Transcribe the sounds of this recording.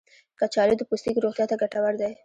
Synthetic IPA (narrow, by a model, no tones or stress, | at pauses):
kat͡ʃɑlod̪əpust̪ikɾoχt̪jat̪aɡaʈawaɾd̪aj